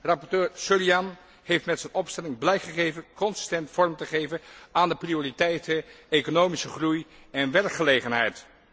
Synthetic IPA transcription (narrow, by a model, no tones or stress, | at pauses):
rɑpɔɹtøːɹsøliɑn | hejftmɛtsɛnɔpstɛlɪŋblɛjkχəχejvəkɔnsɪ̥stɛntfɔɹmtəχejvəaːndəprioːritɛjtəekonowmisəχrujɛnʋɛrkχəlejχənɦɛjt